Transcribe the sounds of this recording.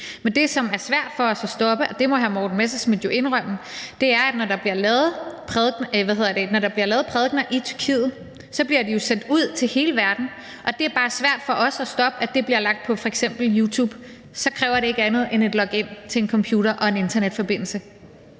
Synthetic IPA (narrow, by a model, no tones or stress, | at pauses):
mend̥e̝sɒ̽mæɐsʋæɐ̰d̥fɒ̽ɒ̽sɒsd̥ɒ̽b̥əʔɒ̽d̥e̝mɒ̽ɦæmɒːd̥n̩mesɐsmid̥jo̝ʔe̝nʁœm̰n̩d̥e̝æɐæd̥nɒɾɑ̈b̥liɐlɛːð̩ˠpʰʁɛðˠɡnʋæhe̝ð̰ˠɐd̥enɒɾ̥ɑ̈b̥liɐlɛːð̩ˠpʰʁɛðˠɡ̥nɐʔit͡sʰy̥ɐkʰḭːð̞̩ˠ | sɒ̽b̥liɐd̥ijo̝sen̰d̥uð̞̰ˠt͡sʰe̝lhe̝ːləʋæɐd̥n̩ | ʔɒ̽d̥e̝æɐb̥ɑ̈ːsʋæɐ̰d̥fɒ̽ʔɒ̽sɒsd̥ɒ̽b̥əæd̥e̝b̥liɐlɑ̈ɡ̥̚d̥̚pʰɒ̽fɒ̽eɡ̥sem̰b̥l̩juːt͡sʰuːb̥ | sɒ̽kʰʁɛːʊɐɾe̝e̝ɡ̥əænð̞̩ˠene̝d̥lɒ̽ɡ̥e̝n̰t͡sʰe̝ːnkʰɒ̽mpʰjuːɾɐʔɒ̽e̝ne̝nd̥ɐned̥fɒ̽b̥e̝n̰l̩sə